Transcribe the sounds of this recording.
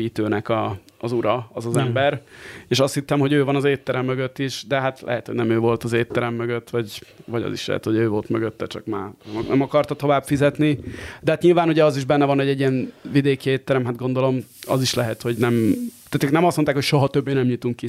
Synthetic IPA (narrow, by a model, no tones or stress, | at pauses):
it̪øːnɛkɒː | zuɾɒɒzɒzɛmbɛɾeːʃɒst̪hit̪ːɛmɦo̞ɟøːvɒnɒzeːt̪ːɛɾɛmːøɡøt̪ːiʃd̪ɛɦat̪lɛ̰ɦɛ̰t̪hoɟnɛmøːvo̞lt̪ɒzeːt̪ːɛɾɛmːøɡøt̪ːʋɒɟvɒɟɒ̰zḭʃlɛ̰ɦɛ̰t̪hoɟøːvo̞lt̪møɡøt̪ːɛt͡ʃɒ̰kmaːɛnɛmɒkɒrt̪ɒt̪o̞vaːbfizɛt̪nid̪ɛhat̪ɲilvaːnuɟɛɒziʒbɛnːɛvɒnɛɟːɛɟːijɛnvid̪eːkieːt̪ːɛɾɛmɦad̪̚ɡo̞nd̪o̞lo̞mɒ̰ziʃlɛɦɛt̪ho̞ɟnɛmt̪at̪øknɛmɒst̪mot̪aːkhocʃo̞ɦɒt̪øbːeːnɛmɲit̪uŋkːi